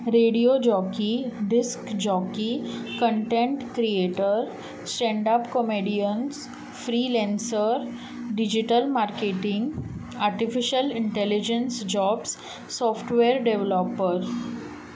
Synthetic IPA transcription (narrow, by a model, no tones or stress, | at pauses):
ɾeɖijod͡ʑɔkiɖiskd͡ʑɔkikə̃ɳʈẽɳʈkɾieʈəɾ | sʈɛ̃ɳɖapkəmeɖijəns | fɾiːlɛ̃nsəɾ | ɖid͡ʑiʈəlmaɾkeʈĩŋɡ | aɾʈifiʃəlɪɳʈelid͡ʑẽnsd͡ʑɔːbs | sɔfʈʋeɾɖeʋlopəɾ